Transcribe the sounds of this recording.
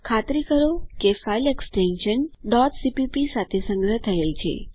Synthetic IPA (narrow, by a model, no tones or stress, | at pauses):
kʰat̪ɾikəɾokefaileksʈenʃənɖɔtsipipisat̪ʰesə̃ŋɡɾəɦt̪ʰəelt͡ʃʰḛ